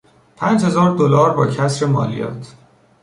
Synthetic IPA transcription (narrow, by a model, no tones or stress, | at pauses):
pʰæːnd͡ʒhe̞zɒːɾd̪olɒːɾbɒːcʰæsɾemɒ̰ːlijɒ̰ːt̪ʰ